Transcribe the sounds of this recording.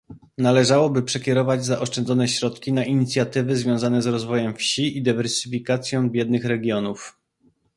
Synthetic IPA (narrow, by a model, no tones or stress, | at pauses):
nalɛʐawɔbɘpʂɛkʲɛɾɔvad͡ʑzaʔɔʂt͡ʂɛnzɔnɛɕɾɔt̪kʲinaʔiɲit̪sʲjat̪ɘvɘzvʲjɔ̃w̃zanɛzɾɔzvɔjɛmfɕiid̪ɘvɛɾsɘfʲikat̪sʲjɔ̃w̃bʲjɛd̪̚nɘxɾɛɡʲjɔnuf